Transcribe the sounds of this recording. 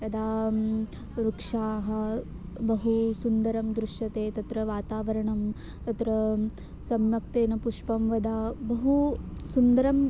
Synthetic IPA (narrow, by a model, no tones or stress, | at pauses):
jɐd̪aː | ɾukʂaːɦɐ̆ | bɐɦusund̪ɐɾɐmd̪ɾuʂjɐt̪eːt̪ɐt̪ɾɐʋaːt̪aːʋɐɾɐɳɐm | t̪ɐt̪ɾɐ | sɐmjɐk̚t̪eːnɐpuʂpɐmʋɐd̪aːbɐɦusund̪ɐɾɐm